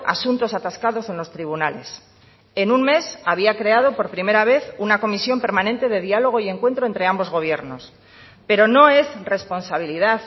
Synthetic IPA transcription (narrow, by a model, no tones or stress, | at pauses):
a̰sunt̪o̞sat̪askaðo̞se̞nlo̞st̪ɾiβ̞unale̞̰s | e̞nunme̞saβ̞iakɾe̞að̞opo̞ɾpɾimeɾaβ̞e̞θunako̞misjo̞mpe̞ɾmãnẽnt̪e̞ðe̞ðialo̞ɣ̞o̞ie̞ŋkwe̞nt̪ɾo̞e̞nt̪ɾe̞ambo̞zɣo̞β̞je̞ɾno̞s | pe̞ɾo̞no̞e̞zre̞spo̞nsaβ̞iliðaθ